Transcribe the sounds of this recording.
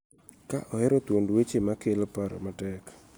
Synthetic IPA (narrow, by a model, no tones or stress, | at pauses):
kaʔɔhɛɾɔt̪wondwet͡ʃemakelpaɾ̰matɛk